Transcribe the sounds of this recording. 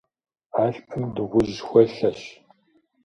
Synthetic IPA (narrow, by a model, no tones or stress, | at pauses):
aːɬpʼɨmdɨʁʷʊʒxʷɐɬɐʃ